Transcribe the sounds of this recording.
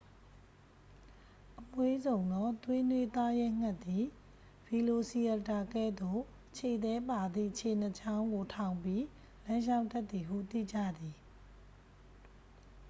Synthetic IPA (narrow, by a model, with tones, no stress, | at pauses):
ʔəmwe˦zõ˨ʊ̃nd̪ɔ˦˨t̪wɪ̃˦nwe˦t̪a˦jɛ˦ŋ̥a˦˨t̪ːi˨ | v̥i˨lo˨si˨ɛ˨ta˨kɛ˦˨d̪o˦˨ | ʔt͡ɕʰe˨d̪ɛ˦pa˨d̪ḭ˦˨ʔt͡ɕʰe˨n̥ə˨t͡ɕã˦ʊ̃ŋɡo˨tʰã˨ʊ̃mpji˦ | lã˦ʃ̬ã˦ʊ̃ndɛ˦t̪̚θi˨ɦṵ˦˨t̪ḭ˦˨d͡ʑä̰˦˨d̪i˨